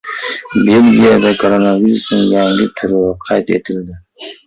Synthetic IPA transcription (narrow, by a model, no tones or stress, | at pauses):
belɡʲijad̪akʰoɾonaviɾusnɪŋjaŋɡɪt̪ʰʊɾʁɪqʰɑjt̪ḛt̪ʰɪld̪ɪ